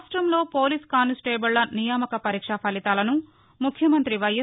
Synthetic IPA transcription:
sʈɾɐmlo̞ːpoːliːskaːnisʈeːbɐlːɐnijaːmɐkɐpɐɾiːkʂɐpʰɐlit̪aːlɐnu | mukʰjɐmɐnt̪ɾiʋɐjɐ

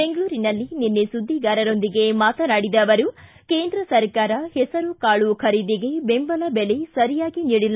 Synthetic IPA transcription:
beŋɡɐɭuːɾinɐlːininːesud̪ʱːiɡaːɾɐɾo̞nd̪iɡe̞maːt̪ɐnaːɽid̪ɐʋɐɾu | ke̞ːnd̪ɾɐsɐɾkaːɾɐhɛsɐɾukaːɭukʰɐɾid̪iɡe̞be̞mbɐlɐbelesɐɾijaːɡiniːɽilːa

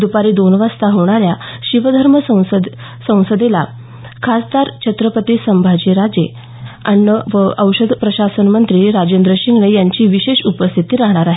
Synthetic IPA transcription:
d̪upaɾid̪onʋast̪aɦoɽ̃aɾjaɕiʋəd̪ʱəɾməsəw̃səd̪ | sə̃w̃səd̪ela | kʰast̪aɾt͡ɕʰət̪ɾəpət̪isəmbʱad͡ʑiɾad͡ze | ə̰ɳːəʋəəwɕəd̪pɾəɕasənmənt̪ɾiːɾad͡ʑend̪ɾəɕiŋɡɳejaɲt͡ɕiːʋiɕeɕupəst̪ʰit̪iːɾaɦɳ̃aɾaɦe

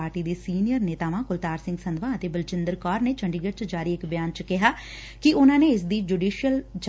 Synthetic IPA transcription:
aːɾʈiːd̪iːsiːnijəɾneːt̪aːʋãːkʊlt̪aːɾsɪ̃ŋɡsənd̪ʋãːət̪eːbəlt͡ʃɪnd̪əɾkɔːɾneːt͡ʃʰəɳɖiːɡəɾt͡ʃd͡ʒaːɾiːɪkbɪjaːnt͡ʃkɪɦaː | kɪʔʊnãːneːɪsd̪iːd͡ʒuːɖiːʃijəld͡ʒ

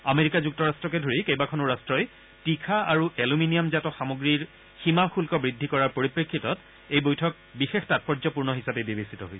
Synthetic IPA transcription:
ameɹikazuk̚tɔɹastɹɔkɛdʱoɹikejbakʰɔnʊɹastɹɔj | tikʰaaɹueluminijamzatɔxamoɡɹiɹ | ximaxulkɔbɹidʱːikɔɹaɹpoɹipɹekʰːitɔt | ejbojtʰɔk̚ | bixextat̚pɔɹzɔpuɹnɔɦisapebebesitɔɦojsɛ

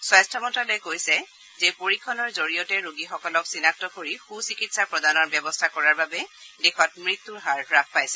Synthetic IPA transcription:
swajstʰɔmɔntalojɛkojsɛ | zɛpoɹikʰːɔnɔɹzoɹijɔtɛɹoɡixɔkɔlɔksinak̚tɔkoɹixusikitsapɹɔdanɔɹbjɔbɔstʰakɔɹaɹbabɛdɛxɔtmɹit̪ːuɹɦaɹɹak̚ʰpajsɛ̥

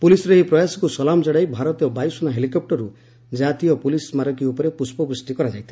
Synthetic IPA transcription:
pulisɔɾeɦipɾɔjasɔkusɔlamd͡ʒɔɽajbʱaɾɔt̪jɔbajusɔnaɦelikɔp̚ʈɔɾu | d͡ʒat̪ijɔpulismaɾɔkiupɔɾepuspɔbɾusʈikɔɾad͡ʒajt̪ʰi̥

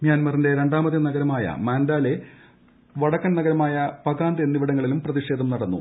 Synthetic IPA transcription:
mjaːnmɐrinde̞ɾe̞ɳɖaːmɐðːɐnɐɡɐɾɐmaːjɐ̰maːnd̪aːle̞ | ʋɐɽɐkːɐnnɐɡɐɾɐmaːjɐpɐɣaːnd̪enːiʋiɽɐŋːɐɭilumprɐðiʂe̞ːd̪ʱɐmnɐɽɐnːṵ

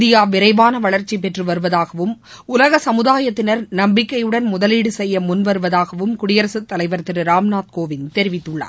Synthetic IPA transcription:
d̪ɪjaːʋɪɾɐɪʋaːnɐʋɐɭɐɾt͡ʃːip̬ɛʈrɯʋɐɾɯʋɐðaːɣɐʋɯm | ʊlɐɣɐsɐmɯðaːjɐt̪ːɪnɐɾnɐmbɪkːɐɪjɯɽɐnmʊðɐliːɽɯsɛjːɐmʊnʋɐɾɯʋɐðaːɣɐʋɯmkʊɽɪjɐɾɐsɯt̪ːɐlɐɪʋɐɾt̪ɪɾɯɾaːmnaːt̪̚koːʋɪnt̪ɛɾɪʋɪt̪ːɯɭːɐ̰

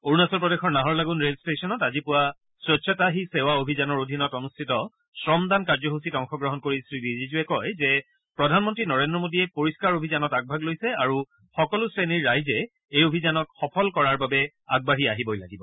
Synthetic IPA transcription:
oɹunasɔlpɹɔdexɔɹnaɦɔɹlaɡunɹelstesɔnɔtazipʊwa | sɹɔtsʰɔtaɦisɛwaobʱizanɔɹodʱinɔtɔnustʰitɔ | sɹɔmdankaɹzɔɦusitɔŋxɔɡɹɔɦɔnkoɹisɹibizizuɛkɔjzɛ | pɹɔdʱanmɔntɹinɔɹendɹɔmodiɛpoɹiskaɹobʱizanɔtaɡ̚bʱaɡlojsɛaɹu | xɔkɔlʊsɹeniɹːajzɛ | ejobʱizanɔtxɔpʰɔlkɔɹaɹbabɛ | aɡ̚baɦiaɦibojla̰ɡibɔ

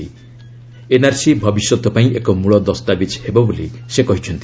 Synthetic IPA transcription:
i | enaɾsibʱɔbisjɔt̪ɔpaĩʔekɔmuɭɔd̪ɔst̪abit͡ʃhebɔbolisekɔɦit͡ʃʰɔnt̪i

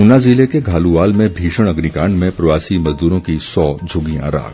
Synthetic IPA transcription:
ʊnaːziːlekeɡʱaːluʋaːlmẽbʱiːʃəɽ̃ɐɡnikãːɳɖmẽpɾɐʋaːsimɐzd̪uːɾõkisɔːd͡ʒʱʊɡiã̰ɾa̰ːɡ

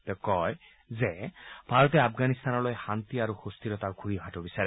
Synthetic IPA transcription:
tɛkɔj | zɛb̥ʱaɹɔtɛapɡanist̪anɔlojxant̪iaɹuxustʰiɹɔtaɡʰʱuɹibʱatɔbisaɹɛ

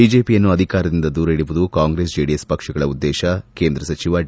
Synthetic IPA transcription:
id͡ʒe̞ːpijɐnːuɐd̪ʱikaːɾɐd̪ind̪ɐd̪uːɾɐiɽiʋud̪ukaːŋɡɾeːs̬d͡ʒeːɽijespɐkʂɐɡɐɭɐud̪ːɛːʃɐke̞ːnd̪ɾɐsɐt͡ʃiʋɐ

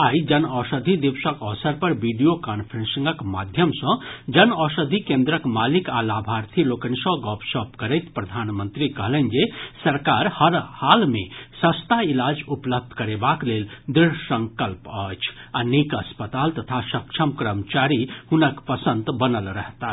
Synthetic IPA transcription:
aid͡ʒənɔsəd̪ʱid̪ibsəkəʋsəɾpəɾbiɖijokanpʰəɾẽnsəŋɡəkma̰d̪ʱjəmsə̃d͡ʒənɔsəd̪ʱikẽnd̪ɾəkmalikalabʱaɾt̪ʰilokənsə̃ɡɔpsɔpkəɾəɪt̪pɾəd̪ʱanmənt̪ɾikəɦlɛnd͡ʒesəɾkaɾhəɾhalmẽsə̃st̪ailad͡ʒupləb̚d̪ʱkəɾebakleld̪ɾiɽsə̃ŋkəlpət͡ʃʰanikəspət̪alt̪ət̪ʰasəkt͡ʃʰəmkɾəmt͡ʃaɾihunəkpəsənt̪bənəlɾəɦt̪a

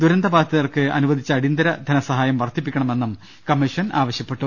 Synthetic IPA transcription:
d̪uɾɐnd̪ɐbaːt̪ːiðɐrkɨɐ̰nuʋɐd̪ʱit͡ɕːɐːɽind̪ɐɾɐd̪ʱɐnɐsɐɦaːjɐmʋɐrt̪ʰːipːikʲːɐɳɐme̞nːum | kɐmːiʂɐna̰ːʋɐɕjɐpːe̞ʈːu

